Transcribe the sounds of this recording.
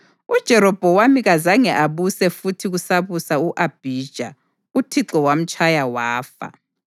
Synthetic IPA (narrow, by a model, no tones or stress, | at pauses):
ud̥ʒ̥ʱɛɾɔb̥ʱɔwamiɣazaŋɛʔaβusɛfutʰiɣusaβusauʔab̥ʱiːd̥ʒ̥ʱa | utʰiǁɔwam̩t͡ʃʼʰajawaːfa̰